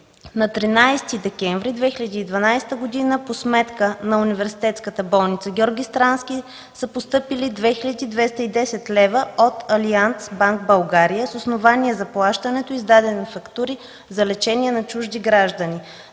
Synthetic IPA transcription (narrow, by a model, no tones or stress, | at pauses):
nɐt̪ɾinajst̪id̪ɛkʲɛɱvɾid̪vɛxilʲəd̪iːd̪vɐnajst̪əɡod̪inəposmɛt̪kənɐunivɛɾsi̥t̪ɛt̪skət̪əbɔlˠnit̪səɡʲɔɾɡʲist̪ɾanskʲi | səpost̪ɤpilid̪vɛxilʲəd̪iːd̪vɛst̪əid̪ɛsɛt̪lɛvəot̪ɐliansbaŋkbɐlˠɡaɾijəsosnovaniɛzɐplˠaʃt̪ənɛt̪oizd̪ad̪ɛnfɐkt̪uɾi | zɐlɛt͡ʃɛniɛnɐt͡ʃuʒd̪iɡɾaʒd̪əni